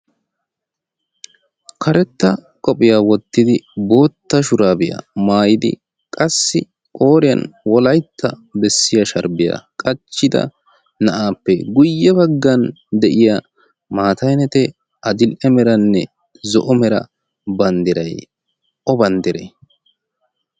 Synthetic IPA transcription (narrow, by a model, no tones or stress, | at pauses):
kʰɐɾɛt̪ːɐ | kʼɔpʼɪjawɔt̪ːɪd̪ɪbo̞ːt̪ːɐʃʊɾaːbɪjɐ̰maːjɪd̪ɪ̰ | kʼɐsːɪ | kʼo̞ːɾɪjɐ̰nwɔlɐjt̪ʰːɐbɛsːɪjɐʃɐɾbɪja̰kʼɐt͡ʃːɪd̪ɐ̰ | nɐʔaːpːɛɡʊjːɛbɐɡːɐn | d̪ɛʔɪja | maːt̪ɐjnɛt̪ɛ | ɐd̪ɪlʔɛmɛɾɐnːɛ | zɔ̰ʔɔmɛɾɐ̰ | bɐnd̪ɪɾɐj | ʔɔbɐnd̪ɪɾḛ